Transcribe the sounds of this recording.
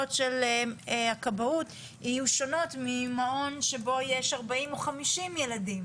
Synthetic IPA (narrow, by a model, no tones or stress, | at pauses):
otʃel | akabaut | ijuʃo̞no̞tmimaʔo̞nʃebo̞jeʃaʁbaimoχamiʃimje̞ladim